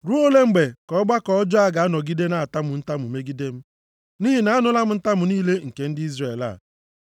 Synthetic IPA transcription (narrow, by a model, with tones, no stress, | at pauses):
ɾu˦o˦le˦ŋ͡m̩˨ɡ͡be˨kɔ˦ɔ˦ɡ͡ba˦kɔ˦ɔ˦d͡ʒɔ˦a˦ɡa˨a˦nɔ˨ɡi˦de˦na˦a˨ta˦mʊ˨n̩˦ta˦mu˨me˦ɡi˦de˦m̩˦ | niː˦ɦi˨na˨a˦nʊ˦la˦m̩˦n̩˦ta˦mʊ˨niː˦le˦ŋ̩˨ke˨n̩˦dɪ˦i˦zre˨la̰˨